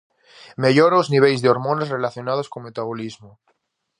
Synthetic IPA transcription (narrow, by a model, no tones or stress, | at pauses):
meʎoɾoozniβ̞elzðeoɾmonesrelaθjonað̞oskoŋmet̪aβolizmo